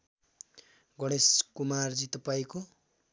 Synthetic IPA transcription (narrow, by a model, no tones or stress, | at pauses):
ɡʌɽ̃eskumard͡zit̪ʌpaiko